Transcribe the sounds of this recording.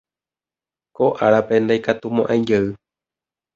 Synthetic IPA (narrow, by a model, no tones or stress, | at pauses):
ko̞ʔaɾape̞nd̪ajkat̪umõʔãj̃d͡ʒeɨ